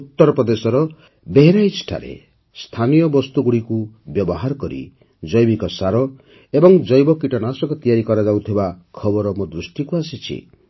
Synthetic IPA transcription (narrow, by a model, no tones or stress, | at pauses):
ut̪ːɔɾɔpɾɔd̪esɔɾɔ | beɦeɾait͡ʃʈʰa̰ɾḛ | st̪ʰanijɔbɔst̪uɡuɽiku | bjɔbɔɦaɾɔkɔɾḭ | d͡ʒɔjbikɔsaɾɔ | ebɔŋd͡ʒɔjbɔkiʈɔnasɔkɔt̪ijaɾikɔɾad͡ʒawt̪ʰibakʰɔbɔɾɔmod̪ɾusʈikuasit͡ʃʰḭ